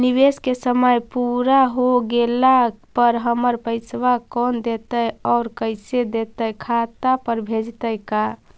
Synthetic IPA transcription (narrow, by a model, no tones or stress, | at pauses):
niʋeskesəməjpuɾaɦoɡelapəɾɦəməɾpəɪsʋakɔnd̪et̪əɔːɾkəɪsed̪et̪əjkʰat̪apəɾbʱed͡ʒt̪əjka